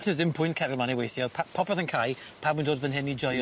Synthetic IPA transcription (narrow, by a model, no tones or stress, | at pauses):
tʰəzɪnpʰʊjnkʰɛɾəlˠmanɛwejθjɔpʰapʰɔpʰɔðənkʰajpʰabwndoːdvənɦɪnid͡ʒɔj